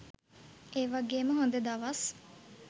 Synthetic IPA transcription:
eːʋaɡeːməɦond̪ed̪aʋɐs

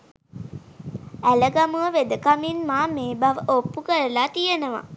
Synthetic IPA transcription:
æləɡamuʋəʋed̪əkaminmaːmeːbaʋəʔopːukəɾəlaːt̪ijənəʋa̰

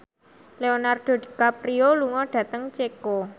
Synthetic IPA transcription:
leonard̪̥o̤d̥̪i̥kapɾioluŋɔɖ̥ä̤t̪əŋt͡ʃeko

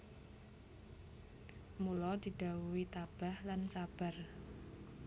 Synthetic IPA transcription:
mulɔd̪̥i̤ɖ̥a̤uwit̪ab̥a̤hlansab̥a̤r

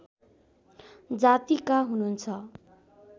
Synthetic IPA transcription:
d͡zat̪ikaɦununt͡sʰʌ

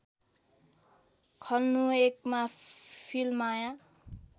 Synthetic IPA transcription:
kʰʌlnuekmapʰilmajã

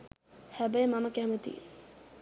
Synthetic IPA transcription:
hæbəjəmaməkæmət̪ḭ

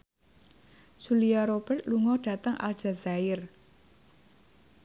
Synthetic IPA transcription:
ʒ̥uliaɾob̥ərt̪luŋɔɖ̥ä̤t̪əŋʔa̰l̥ʒ̥a̤zaɪr

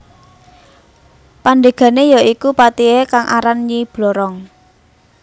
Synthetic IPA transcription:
panɖ̪eɡ̥a̤nejaikupat̪iekaŋʔaɾanɲib̥lɔɾɔŋ

